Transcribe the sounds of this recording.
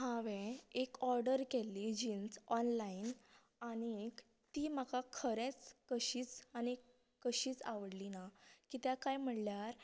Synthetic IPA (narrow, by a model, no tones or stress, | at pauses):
ɦaʋẽekɔɾɖəɾkelːid͡ʑiːnsɔnlain | aɽ̃iek | t̪iːmakakʰəɾẽt͡skəɕiːt͡sani | kəɕiːt͡sa̰ʋəɽlinakit̪jakajm̤əɽljaɾ